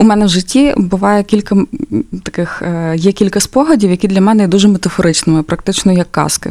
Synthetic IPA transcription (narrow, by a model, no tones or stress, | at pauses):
umɛnɛwʒɪtʲːibʊʋɑjɛkʲilʲkɐt̪ɐkɪxjɛkʲilʲkɐspɔɦɐdʲiwjɐkʲid̪lʲɐmɛnɛid̪uʒɛmet̪ɐfɔɾʔɪt͡ʃnɪmɪpɾɐk̚t̪ɪt͡ʃnɔjɐkːɑ̰skɪ̰